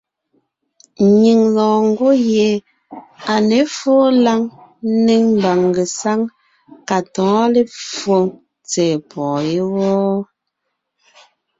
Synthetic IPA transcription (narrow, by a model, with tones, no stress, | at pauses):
ɲi˨ŋlɔ̃ː˨ŋ̩˦ɡo˦je˨˦ | a˨ne˨˦foː˦la˦ŋ˦ne˦m˨ba˨ŋ˨ɡe˨sa˦ŋ | ka˨tɔ̃ː˨˦le˦fo˦˨ŋ | t͡sɛː˨pɔː˨je˦wɔː˦